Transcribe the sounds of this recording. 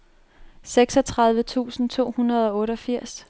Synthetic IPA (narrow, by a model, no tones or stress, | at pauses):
seɡ̥sɒ̽t͡sʰʁɑ̈ð̞ˠʋət͡sʰṵːsn̩t͡sʰo̝̰ːhunɐð̞ˠɒ̽ɔ̽ːɾəɒ̽fiɐ̰s